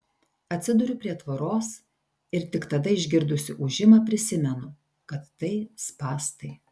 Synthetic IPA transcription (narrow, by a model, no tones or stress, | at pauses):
ɐt̪ʲsʲɪd̪ʊɾʲʊpʲɾʲiɛt̪ʋɐɾoːs | ɪɾt̪ʲɪkt̪ɐd̪ɐɪʒʲɡʲɪɾd̪ʊsʲɪʔʊʒʲɪmɐpʲɾʲɪsʲɪmʲɛnʊ | kɐt̪ːɐɪspɑːst̪ɐɪ